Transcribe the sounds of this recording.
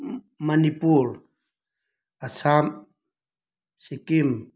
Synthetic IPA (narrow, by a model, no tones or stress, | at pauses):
manipuɾ | asʰam | sikim